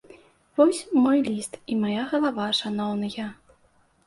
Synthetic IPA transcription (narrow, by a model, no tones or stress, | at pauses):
vɔsʲmɔjlʲist̪imajaɣɐlˠavaʂanɔwnɨjɐ